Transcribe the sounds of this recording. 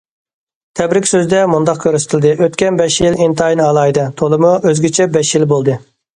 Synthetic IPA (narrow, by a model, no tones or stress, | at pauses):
t̪ʰɛbɾɪkʲsøzd̪ɛmund̪ɑqkʲʰøɾsɪ̥t̪ʰɪlʲd̪ɨʔøt̪kʲɛnbɛʃjilint̪ʰɑinɑlˠɑːjd̪ɛt̪ʰolˠɨmuʔøzɡʲit͡ʃʰɛbɛʃjilbolˠd̪ɨ